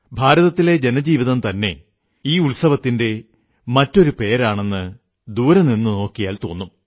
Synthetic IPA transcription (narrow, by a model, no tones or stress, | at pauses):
bʱaːɾɐðɐt̪ːile̞d͡ʑe̞nɐd͡ʑiːʋiðɐmt̪ɐnːe̞̰ | iːuɭsɐʋɐt̪ːinde̞ | mɐtːo̞ɾupe̞ːɾaːɳe̞nːɨ | d̪uːɾɐmninːɨno̞ːkːijaːlt̪o̞ːnːum